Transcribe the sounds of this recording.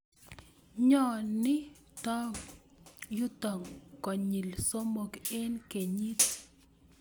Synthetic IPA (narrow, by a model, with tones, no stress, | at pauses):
ɲɔ˦˨nɪ˦ | t̪ɔ˦m | ju˦t̪ɔ˨ŋkɔ˨ɲi˨lso˦mo˨ke˦nke˨ɲi˦t